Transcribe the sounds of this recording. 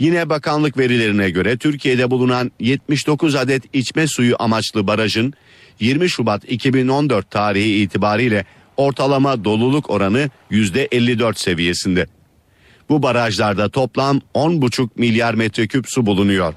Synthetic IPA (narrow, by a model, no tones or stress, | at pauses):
jinɛbakʰanlˠɯkve̞ɾilʲe̞ɾinɛɟø̞ɾɛt̪ʰyɾcʰijed̪ɛbulˠunanjɛt̪̚miʃd̪o̞kʰuzad̪ɛt̪it͡ʃmɛsujuʔamat͡ʃlˠɯbaɾaʒɯn | jiɾmiʃubat̪icʰibino̞nd̪øɾt̪ʰːaːɾihiːt̪ʰibaːɾɯjlʲɛ | o̞ɾt̪ʰalˠamad̪o̞lˠulˠukʰo̞ɾanɯjyzd̪ɛʔɛlʲːid̪øɾt̪se̞vije̞sind̪ɛ | bubaɾaʒlˠaɾd̪at̪ʰo̞plˠamo̞nbut͡ʃʰuk̚milʲjaɾmɛt̪ɾɛcʰypsubulˠunujo̞ɾ̥